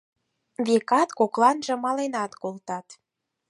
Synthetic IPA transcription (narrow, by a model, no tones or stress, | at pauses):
βekɑt̪koklɑnʒɤ̆mɑlenɑt̪kolt̪ɑt̪